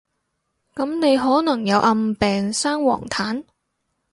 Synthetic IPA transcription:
kɐ˨˥mne˨˧jɦɔː˨˥nɐ˨˩ŋjɐ˨˧wʔɐ˧mpɛː˨ŋsaː˥ŋwɔ̰ː˨˩ŋt̪ʰaː˨˥n

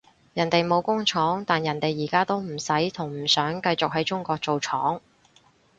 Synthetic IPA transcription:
jɐ˨˩nt̪e˨jmo˨˧wkʊ˥ŋt͡ʃʰɔː˨˥ŋt̪aː˨njɐ˨˩nt̪e˨jːiː˨˩kaː˥t̪o˥wm̩˨˩sɐ˨˥jt̪ʰʊ˨˩ŋm̩˨˩sœː˨˥ŋkɐ˧jt͡sʊ˨k̚ɦɐ˨˥jt͡ʃʊ˥ŋkʷɔː˧k̚t͡so˨wt͡ʃʰɔː˨˥ŋ

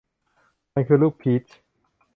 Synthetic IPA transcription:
a˧kʰɯː˧luː˥˩k̚pʰi˦˥t͡ɕ

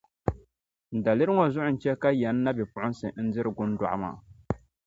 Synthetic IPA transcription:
n̩˨da˨lɨ˦ɾɨ˦ŋɔ˨zʊ˦ʔʊ˨n̩˨t͡ʃɛ˦ka˦jɛ˨˦nː˦a˦bɪ˨pʊ˨ʔʊ˦n˦sɨ̰˨n̩˦dɪ˦ɾɨ˨ɡʊ˦nda˨ʔa̰˨ma̰ː˨

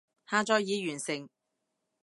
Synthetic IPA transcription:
haː˧t͡ʃɔː˨˧jjiː˨˧ɥyː˨˩nsɪ˨˩ŋ

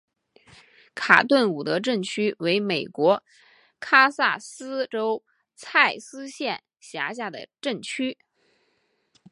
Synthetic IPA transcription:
kʰa̰˨˩t̪wə˥˩nu˨˩t̪ɤ˧˥ʈ͡ʂə˥˩nt͡ɕʰy˥we˧˥ɪme˨˩ɪkwɔ˧˥ | kʰa˥sa˥˩sɹ̩˥ʈ͡ʂo˥ʊ | t͡sʰa˥˩ɪsɹ̩˥ɕjɛ˥˩n | ɕja˧˥ɕ̬ja˥˩d̪ə̰˩ʈ͡ʂə˥˩nt͡ɕʰy˥

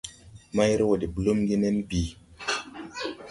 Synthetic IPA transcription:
ma˦jɾi˦wo˨di˨bu˨lo˦mɡi˦ne˦nbi˨

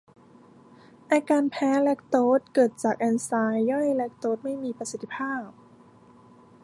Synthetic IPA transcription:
ʔaː˧kaː˧npʰɛː˦˥lɛ˦˥k̚t̪oː˦˥t̪̚kɤː˨˩t̪̚t͡ɕaː˨˩k̚ʔɛː˧nsaː˧jːɔ˥˩jlɛ˦˥k̚t̪oː˦˥t̪̚ma˥˩jmiː˧pɾa˧si˨˩t̪ːʰi̥˧˥pʰaː˥˩p̚

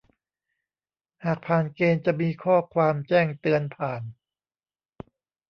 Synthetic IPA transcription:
haː˨˩k̚pʰaː˨˩nkeː˧nt͡ɕa˨˩miː˧kʰɔː˥˩kʰwaː˧mt͡ɕɛː˥˩ŋt̪ɯ˧ənpʰaː˨˩n

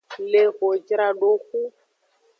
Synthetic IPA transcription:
le˨o˨d͡ʒɾa˨ɖo˦xu˦

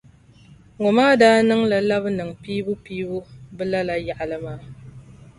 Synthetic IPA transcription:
ŋʊ˨maː˦daː˦nɨ˦ŋla˨la˦bnɨ˨ŋpiː˦bʊ˦piː˦bʊ˦bɨ˦la˦la˨ja˨ʔa˨lɨ˦maː˦˨

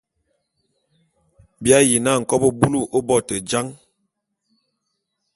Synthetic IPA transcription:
bja˦ji˨na˦˨ŋ̩˨kɔ˦bo˦bu˦lu˦ʔo˦bɔ˦˨tə˨d͡ʒa˦ŋ

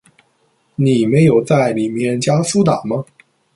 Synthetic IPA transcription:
ni˨˩me˨˧˥ɪjo˨˩ʊt͡sa˥˩ɪli˨˩mjɛ˥˧nt͡ɕja˥su˥t̪a˨˩˦mɐ˦

